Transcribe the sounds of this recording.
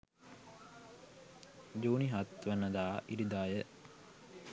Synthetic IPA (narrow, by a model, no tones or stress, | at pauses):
d͡ʒuːniɦat̪ʋənːəd̪aːʔiɾid̪aːjə